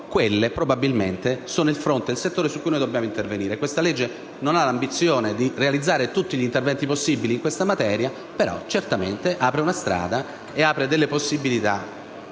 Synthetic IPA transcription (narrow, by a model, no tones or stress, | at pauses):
kwelːepɾobabilmḛnt̪esoːnoilfɾont̪ed̪elset̪ːoːɾesukːujnoːjd̪objaːmoint̪erveniːɾekwest̪aled͡ʒːe | nonalambit̪sːjoːned̪irealid̪zːaːɾet̪ut̪ːiʎint̪ervɛnt̪iposːibiliːŋkwest̪amat̪ɛːɾja | peɾɔ̰t͡ʃert̪amḛnt̪eʔaːpɾeunast̪ɾa̰ːd̪a | eaːpɾed̪elːeposːibilit̪a̰